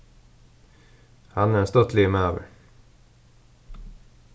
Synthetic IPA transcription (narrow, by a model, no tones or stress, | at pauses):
hanæɾɛnst̪œt̪ʰlɪmøːvə̰ɾ